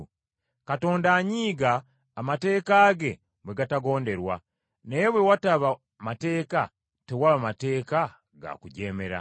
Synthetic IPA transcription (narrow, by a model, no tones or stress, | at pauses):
kato̞ːndaɲiːɡaː | mate̞ːkaːɡe̞ | bwe̞ɡataɡo̞ːnde̞ɾwa̰ | ne̞βwe̞wataβa | mate̞ːka | tewaβamate̞ːka | ɡa̰kuɟe̞ːme̞ɾa̰